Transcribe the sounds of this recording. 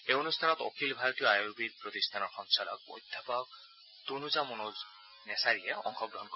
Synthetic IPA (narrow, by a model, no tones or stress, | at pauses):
eonust̪ʰanɔt̪o̰kʰilbʱaɾɔt̪ioajobid̪pɾot̪ist̪ʰanɔɾxɔŋsalɔ̰k̚bo̰jd̪̥ʱjapɔk̚ | t̪unud͡ʒamonoz | nesaɾieɔ̰ŋkʰɔɡɾɔɦɔnkɔ